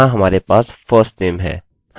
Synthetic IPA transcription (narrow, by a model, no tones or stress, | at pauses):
ãɦɐmaːɾepaːsfʰəːsʈneːmɦɛ̰ː | h